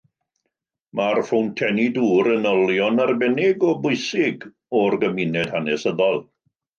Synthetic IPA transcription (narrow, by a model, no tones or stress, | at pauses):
marfʊwntʰɛniduːɾənɔlˠjɔnarbɛnɪɡɔbʊɨsɪɡ | ɔrɡəmɪnɛd̥hanɛsəðɔlˠ